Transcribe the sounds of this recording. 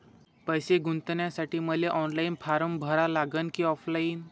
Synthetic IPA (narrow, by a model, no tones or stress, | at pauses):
pəjseɡunt̪njasaʈiːməleʔɔnlainpʰaɾəmbʱəɾalaɡənkiːɔflaiːn